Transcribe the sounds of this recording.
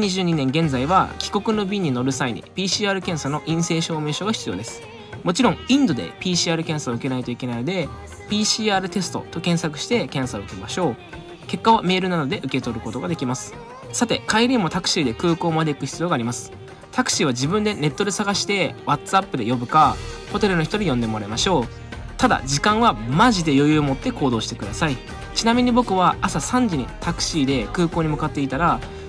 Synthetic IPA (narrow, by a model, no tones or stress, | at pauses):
ɲ̟iʑɨːɲ̟inẽ̞ŋɡẽ̞nd͡zaiβa̰kʲi̥ko̞kɯ̟no̞bʲiɲ̟ːino̞ɾɯ̟saiɲ̟ḭpʲiːɕiːaːɾɯ̟kẽ̞ɰ̃sano̞ʔĩɰ̃se̞ːɕo̞ːme̞ːɕo̞ɡaçi̥t͡sɨijo̞̰ːd̪e̞sɨ̥ | mo̞t͡ɕiɾõ̞ŋĩnd̪o̞d̪e̞̰pʲiːɕiaːɾɯ̟kẽ̞ɰ̃saoɯ̟ke̞nait̪o̞ike̞nainod̪e̞ | pʲiːɕiːaːɾɯ̟t̪e̞sɨ̥t̪o̞̰t̪o̞kẽ̞ɰ̃sakɯ̟̥ɕi̥t̪e̞kẽ̞ɰ̃saoɯ̟kemaɕo̞ː | ke̞kːaβ̞ame̞ːɾɯ̟nad̪o̞d̪e̞ʔɯ̟ke̞t̪o̞ɾɯ̟ko̞t̪o̞ɡad̪e̞kʲimasɨ̥ | sat̪e̞kaiɾʲiːmo̞t̪akɯ̟̥ɕiːd̪e̞kɯ̟ːko̞ːmad̪e̞ikɯ̟çi̥t͡sɨjoɡaːɾʲimasɨ̥ | t̪akɯ̟̥ɕiːβad͡ʑibɯ̟̃nd̪e̞ne̞t̪ːo̞d̪e̞saɡaɕi̥t̪e̞βat̪apːɯ̟d̪e̞jo̞bɯ̟kaho̞t̪e̞ɾɯ̟no̞çi̥t̪o̞ɾʲijõ̞nd̪e̞mo̞ɾaemaɕo̞ː | t̪ad̪a̰d͡ʑikãɰ̃βamaʑid̪e̞jo̞jɯ̟ːmo̞t̪ːe̞ko̞ːd̪o̞ːɕi̥t̪e̞kɯ̟d̪asai | t͡ɕinamʲiɲ̟ibo̞kɯ̟βaasasãɲ̟d͡ʑiɲ̟it̪akɯ̟̥ɕiːd̪e̞kɯ̟ːkoːɲ̟imɯ̟kat̪ːe̞it̪aɾa